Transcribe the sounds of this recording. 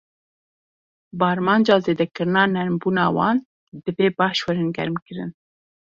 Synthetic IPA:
bɑɾmɑnd͡ʒɑzed̪akəɾnɑnaɾmbunɑwɑ̰n | d̪əbebaʃwəɾənɡa̰ɾmkəɾə̰n

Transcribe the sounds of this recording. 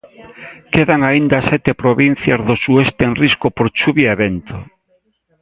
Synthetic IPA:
keðaŋaind̪asɛt̪epɾoβin̟θjazðosuest̪eenriskopoɾt͡ʃuβjaeβent̪o

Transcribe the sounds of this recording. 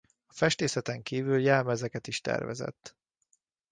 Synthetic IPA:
ɒfɛʃt̪eːsɛt̪ɛŋkiːvyljɛlmɛzɛkɛt̪iʃt̪ɛ̰rvɛ̰zɛ̰t̪ː

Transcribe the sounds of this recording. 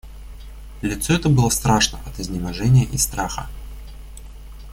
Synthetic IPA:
lʲɪt̪soɛt̪əbɨlˠəst̪ɾaʂnə̰ʔɐt̪ɪzʲnʲɪmɐʐɛnʲɪjəʔist̪ɾaxə̰

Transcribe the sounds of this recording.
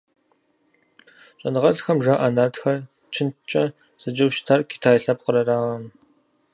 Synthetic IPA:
t͡ʃʼɐnɨʁɐɮxɐmʒaːʔanartxɐ | t͡ʃʰɪnt͡ʃʼɐ | z̥ɨd͡ʒɐwʃtʰarkʰi̥tʰaːjɬɐp̚qəɾɐraːʁɐn

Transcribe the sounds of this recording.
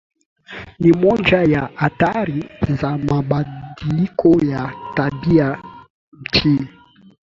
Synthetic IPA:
nimɔnd͡ʒajaʔataɾizamaɓadilikʰɔjatabia | m̩t͡ʃʰi

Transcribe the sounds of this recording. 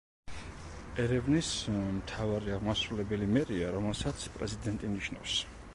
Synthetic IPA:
ɛɾɛvnismt̪ʰavaɾiaʁmasɾulɛbɛlimɛɾiaɾɔmɛlsat̪sʰpʼɾɛ̰zid̪ɛnt̪ʼimniʃna̰fs

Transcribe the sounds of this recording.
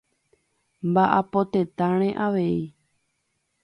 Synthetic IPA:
mbaʔapo̞t̪et̪ãɾ̃ẽʔaʋe̞i

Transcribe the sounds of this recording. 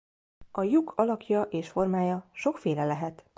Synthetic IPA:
ɒjukʰɒlɒkjɒʔeːʃfo̞rmaːjɒʃo̞kfeːlɛlɛɦɛt̪

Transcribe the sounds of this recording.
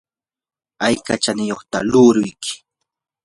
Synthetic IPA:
ajkat͡ʃanɪjoχt̪a̰lʊɾʊjkʰɪ̥

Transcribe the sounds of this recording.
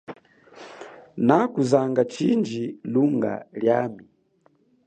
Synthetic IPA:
nakuzaŋɡat͡ʃind͡ʒiluŋɡa̰ljami

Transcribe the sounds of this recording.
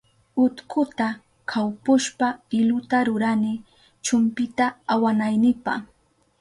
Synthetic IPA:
ʊt̪kʰʊt̪a | kʰawpʊʃpafɪlʊt̪aɾʊɾanɪ | t͡ʃʊmpɪt̪aːwanajnɪpa̰χ

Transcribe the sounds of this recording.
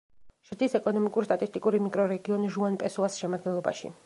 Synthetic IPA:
ʃɾd̪isɛkʼɔnɔmikʼuɾst̪ʼat̪ʼist̪ʼikʼuɾimikʼɾɔɾɛɡiɔniʒuanpʼɛsulˠasʃɛmad̪̚ɡɛnlˠɔba̰ʃḭ

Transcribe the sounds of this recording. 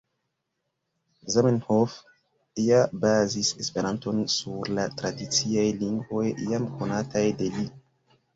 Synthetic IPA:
zamenhof | iabazise̞spe̞ɾanto̞nsuɾlatɾadit͡siajliŋɡvo̞jːamko̞natajde̞li

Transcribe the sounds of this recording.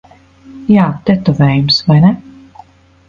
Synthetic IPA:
jaːt̪ɛt̪ɔvɛːjumsvajnɛ

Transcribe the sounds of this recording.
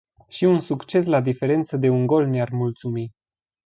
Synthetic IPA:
ʃiunsukt͡ʃe̞s̬lad̪ife̞ɾe̞nt̪səd̪e̞uŋɡo̞lnearmult̪sumi

